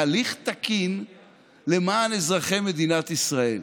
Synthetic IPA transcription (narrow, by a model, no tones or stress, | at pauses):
liχt̪akin | le̞maːnezʁaχe̞me̞d̪inat̪isʁael